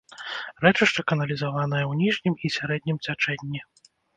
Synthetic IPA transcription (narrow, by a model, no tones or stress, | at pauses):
rɛt͡ʂɨʂt̪ɐkɐnɐlʲizavanɐjɐwnʲiʐnʲimisʲaɾɛd̪ʲnʲimt͡sʲat͡ʂɛnʲːi